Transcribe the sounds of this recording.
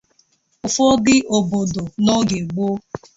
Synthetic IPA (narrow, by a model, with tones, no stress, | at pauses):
ʊ˨fɔ˦ɡɪ˦ʔo˨bo˨do˨no˦ɡe˨ɡ͡bo˦